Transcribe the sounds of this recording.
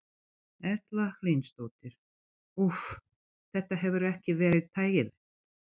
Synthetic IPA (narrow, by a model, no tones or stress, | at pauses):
ɛɾ̥t̪laxlijnst̪oːwt̪ɪɾ̥ | uf | θɛht̪aɦɛvʏɾɛhcɪvɛːɾɪðt̪ʰaːjɣɪðɪ